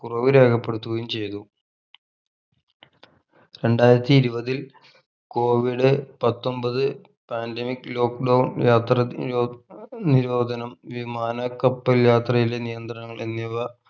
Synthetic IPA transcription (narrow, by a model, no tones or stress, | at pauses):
kurɐʋiɾeːkɐpːe̞ɽut̪ːuɣɐjumt͡ɕe̞jt̪u | ɾe̞ɳɖaːjiɾɐt̪ːiːɾubɐðil | ko̞ːʋiɖɨpɐt̪ːo̞mbɐðɨ | paːndemikːɨlo̞ːkɖɐwnjaːt̪rɐ | niɾo̞ːd̪ʱɐnɐmʋimaːnɐkːɐpːɐljaːt̪rɐjilenijɐnd̪rɐnɐŋːɐɭʔenːiʋɐ